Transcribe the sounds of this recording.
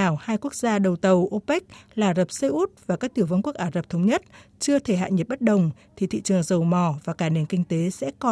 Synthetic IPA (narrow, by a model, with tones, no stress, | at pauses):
aː˨˩whaː˧jku˦˥ək̚zaː˧ɗə˨˩wt̪ə˨˩wʔo˧pɛ˦˥k̟̚laː˨˩zə˨˩p̚sə˧jʔu˦˥t̚vaː˨˩kaː˦˥k̚t̪i˧˩əwvə˧nku˦˥ək̚ʔaː˨˩zə˨˩p̚t̪ʰə˨˦wŋ͡mɲə˦˥t̚t͡ɕɨ˧ət̪ʰe˧˩ɦa̰ː˧˨jɲə˨˩t̚ɓt̚ɗə˨˩wŋ͡mt̪ʰi˨˩t̪ʰḭ˧˨t͡ɕɨ˨˩əŋzə˨˩wmɔ˨˧˩vaː˨˩kaː˧˩ne˨˩nkï˧ŋt̪e˨˦sɛ̰˧˥kɔ˨˩